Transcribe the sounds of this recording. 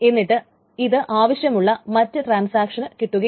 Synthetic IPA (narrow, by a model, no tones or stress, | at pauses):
e̞nːiʈːɨ | iðɨʔaːʋɐɕjɐmuɭːɐmɐtːɨʈraːnsaːkʂɐnɨkiʈːuɣɐ